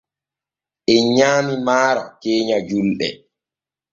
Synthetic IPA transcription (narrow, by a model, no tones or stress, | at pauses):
ʔɛɲaːmimaːɾɔkeːɲad͡ʒulɗɛ̰